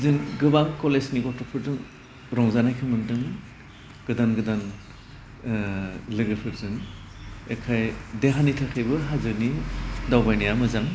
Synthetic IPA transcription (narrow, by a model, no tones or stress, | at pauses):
zɯŋɡɯbaŋkɔlesniɡɔtɔpʰɯɾdɯŋ | ɾɔŋzanajkʰɯmɯndɯŋ | ɡ̥ɯdanɡɯdan | lɯɡɯpʰɯɾzɯŋ | ḛkʰajdeɦanitʰakʰɯjbɯɦazɯɾnidawbajnijamɯzaŋ